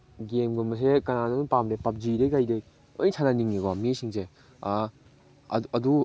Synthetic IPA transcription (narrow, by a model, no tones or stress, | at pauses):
ɡemɡumɐs̬ekɐnanonpamɾepap̚d͡ʒiɾejkajdej | o̰jsʰananiŋneɡamisiŋse | ɐdu